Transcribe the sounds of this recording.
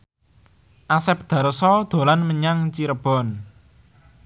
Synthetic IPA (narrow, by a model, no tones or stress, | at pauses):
ʔasɛp̚d̪̥a̤ɾəsɔd̪̥o̤lanməɲaŋt͡ʃiɾəb̥ɔ̤n